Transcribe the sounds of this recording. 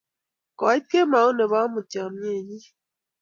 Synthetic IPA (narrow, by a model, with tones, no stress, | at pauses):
kɔ˨˦i˦p̚ke˦ma˨˦o˦ne˨βa˦mu˨t͡ʃa˨mje˦˨ɲi˦